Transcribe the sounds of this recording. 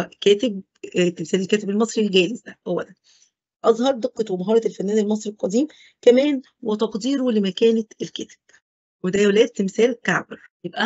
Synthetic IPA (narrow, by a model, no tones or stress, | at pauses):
ʔkæːt̪eb | t̪ːemsæːlelkæːt̪ebelmɑsˤɾilɡæːlezd̪æʔæwːælæn | ʔɑzˤhɑɾˤd̪eqːɑt̪wemɑɦɑːɾˤɑelfænːæːnelmɑsˤɾilqɑd̪iːm | kæmæːn | wet̪ɑqd̪iːɾolemækæːneelkæːt̪e̥b̚ | wed̪æjwlæːt̪ːemsæːlkaʕbeɾjebʔæ